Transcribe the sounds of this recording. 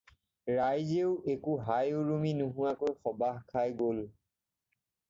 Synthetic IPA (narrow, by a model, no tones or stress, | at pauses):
ɹajzeʊʔekuɦajʊɹuminuɦuwakojxɔbaɦkʰajɡol